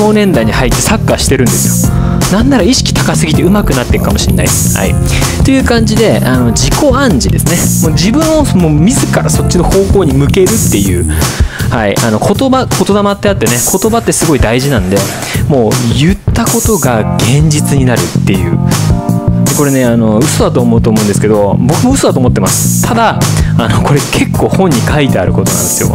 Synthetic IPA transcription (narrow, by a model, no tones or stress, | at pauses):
o̞ːnẽ̞nd̪aiɲ̟ihait̪ːe̞sakːaɕi̥t̪e̞ɾɯ̟̃nd̪e̞sɨjo̞ | nãnːaɾaiɕi̥kʲi̥t̪akasɨɡʲit̪e̞ɯ̟makɯ̟nat̪ːe̞kɯ̟kamo̞ɕinːa̰i | ha̰ḭ | t̪o̞jɯ̟ːkãɲ̟d͡ʑid̪e̞ano̞d͡ʑiko̞ãɲ̟d͡ʑid̪e̞sɨne | moːd͡ʑibɯ̟̃ɰ̃o̞smoːmʲizɨkaɾaso̞t͡ɕːino̞ho̞ːko̞ːɲ̟imɯ̟ke̞ɾɯ̟t̪ːe̞jɯ̟̰ːhaiʔano̞ko̞t̪o̞bako̞t̪o̞d̪amat̪ːe̞at̪ːe̞ne̞kʰo̞t̪o̞bat̪ːe̞sɨɡo̞id̪aiʑinãnod̪e̞ | mo̞ːjɯ̟t̪ːako̞t̪o̞ɡaɡ̥ẽ̞ɲ̟d͡ʑit͡sɨɲ̟inaɾɯ̟t̪ːe̞jɯ̟̰ː | d̪eko̞ɾe̞ne̞ano̞ɯ̟so̞d̪at̪oːmo̞ɯt̪oːmo̞ɯ̟̃nd̪eɨ̥ke̞d̪o̞bo̞kɯ̟moɯ̟so̞d̪at̪oːmot̪ːemasɨ̥t̪ʰad̪aano̞ko̞ɾe̞kʰe̞kːo̞ːhõ̞ɲ̟ːikʰait̪e̞a̰ɾɯ̟ko̞t̪o̞nã̰nd̪e̞sɨjo̞̰